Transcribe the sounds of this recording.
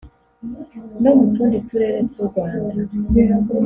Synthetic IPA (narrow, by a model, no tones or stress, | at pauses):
nomutuːndituɾeːɾetkoɡwaːna